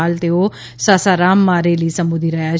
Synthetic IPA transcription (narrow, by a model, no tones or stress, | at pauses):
aːlt̪eoː | saːsaːɾaːmːaːɾeːliːsəmbʊd̪ʱiɾəjaː